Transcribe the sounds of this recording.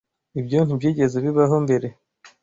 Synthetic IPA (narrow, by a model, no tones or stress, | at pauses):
ibɟon̥hubɟiːɟe̞zeβiβaɦo̞mbe̞ɾe̞